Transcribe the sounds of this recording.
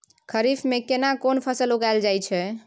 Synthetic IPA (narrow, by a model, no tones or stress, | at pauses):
kʰəɾifʰmekenakonpʰəsəloɡajld͡ʒajt͡ʃʰɛ